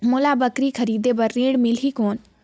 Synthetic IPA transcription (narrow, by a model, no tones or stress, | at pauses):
mʊlabəkɾikʰɐɾiːd̪ebɐɾːẽːɽmɪlikoːn